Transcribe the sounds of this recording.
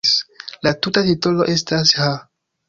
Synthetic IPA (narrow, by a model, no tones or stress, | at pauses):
slatutatitolo̞̰ʔe̞stasha